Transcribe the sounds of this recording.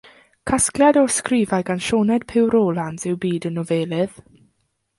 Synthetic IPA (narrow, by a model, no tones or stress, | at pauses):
kʰaskljadɔskriːvajɡanʃɔːnɛd̥̚pʰɪwɾɔːlˠanzɪwbiːdənɔveːlˠɪð̥